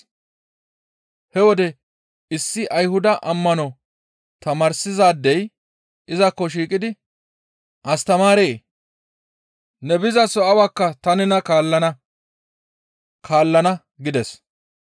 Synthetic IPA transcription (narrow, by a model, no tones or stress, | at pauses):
hɛwɔd̪ɛ | ɪsːɪʔɐjhʊd̪ɐʔɐmːɐnɔ | t̪ɐmɐːɾsɪzaːd̪ːɛj | ɪzɐkːɔʃ̬iːkʼɪd̪ɪ | ʔɐst̪ɐmaːɾeː | nɛbɪzɐsɔɐwɐkːɐt̪ɐnɪnɐkaːlːɐnɐ | kʰaːlːɐnɐ | ɡɪd̪ɛs